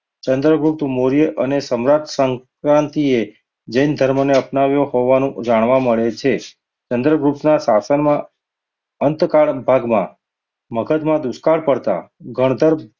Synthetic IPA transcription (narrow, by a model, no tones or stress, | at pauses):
t͡ʃənd̪ɾəɡɾupt̪moɾijəʔənesəmɾad͡ʒ̪səŋkɾãnt̪ie | d͡ʒəjnd̪ʱəɾməneəpnaʋjoɦoʋanũd͡ʒaɽ̃ʋaməɭet͡ʃʰe | t͡ʃənd̪ɾəɡɾupnasasənmã | ənt̪kaɭbʱaɡmã̰ | məɡʱət̪mãd̪ʊskaɭpəɽt̪a̰ɡʱəɽ̃d̪ʱəɾ